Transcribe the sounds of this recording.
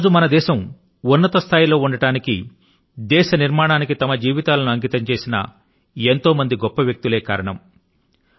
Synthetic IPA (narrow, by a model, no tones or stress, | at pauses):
d͡ʒumɐnɐd̪ɛːʃɐm | unːɐt̪ɐst̪ʰaːjilo̞ːuɳɖɐʈaːnikḭ | d̪ɛːʃɐniɾmaːɳaːnikit̪ɐmɐd͡ʒiːʋit̪aːlɐnuɐŋɡit̪ɐɲt͡ʃe̞ːsinɐ̰ | ent̪o̞ːmɐnd̪iɡɔpːɐʋjɐk̚t̪ule̞ːkaːɾɐɳɐm